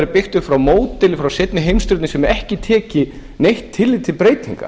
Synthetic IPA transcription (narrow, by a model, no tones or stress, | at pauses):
ɾɪpɪxt̪ʏxfɾawmoːwt̪ɪlɪfɾawsɪt̪̚nɪɦejmst̪ʏɾt̪nɪsɛmɛhcɪt̪ʰɛːcɪ | nejht̪ʰːɪlːɪt̪ʰɪlpɾeːjt̪ʰḭŋka̰